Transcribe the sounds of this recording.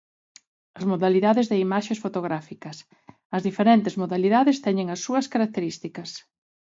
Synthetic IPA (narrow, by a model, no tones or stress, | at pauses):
ɐzmoðaliðaðezðeimaʃesfot̪oɣ̞ɾafikɐs | ɐzðifeɾɛnt̪ɪzmoðaliðaðɪst̪ɛɲeŋɐsːuɐskaɾak̚t̪eɾist̪ikɐs